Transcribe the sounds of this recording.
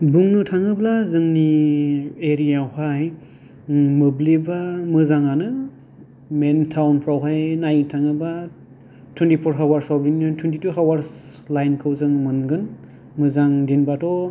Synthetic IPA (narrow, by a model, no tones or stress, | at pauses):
buŋnɯtʰaŋɯblazɯŋni | eɾijahaj | mɯblibamɯzaŋanɯ | mentʰawnpʰɾawɦajnajtʰaŋɯba | tʰwentipʰɔɾɦawaɾsabɾinɯtʰwentituɦawaɾslajnkʰɯwzɯŋmɯnɡɯn | mɯzaŋdinbatɔ